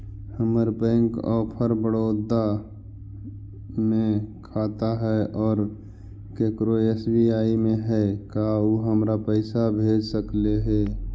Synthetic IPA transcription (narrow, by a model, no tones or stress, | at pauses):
həməɾpɛ̃ːŋkɔ̰ːpʰəɾbəɽoːd̪a | mẽkʰaːt̪aɦɛʔɔːɾ | keːkɾoeːsbiaːimẽɦɛkauːɦəmɾapəɪsabʱeːd͡ʒsəkleɦɛː